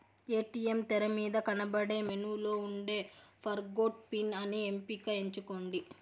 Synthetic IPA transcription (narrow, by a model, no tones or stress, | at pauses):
eːʈiːemt̪ɛɾɐmiːd̪ɐkɐnɐbɐɽe̞ːmenuːlo̞ːuɳɖe̞ːpʰɐɾɡoːʈ̚pinɐniempiːkɐeɲt͡ʃuko̞ːɳɖi